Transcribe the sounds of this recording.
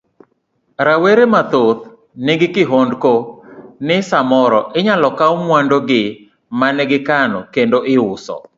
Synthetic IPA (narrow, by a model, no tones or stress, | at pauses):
ɾaweɾemat̪ot̪̚ | nɪɡɪkɪɦondkonɪsamɔɾɔʔɪɲalɔkaomwandoɡɪ | manɛɡɪkanɔkendoʔɪʊsɔ̰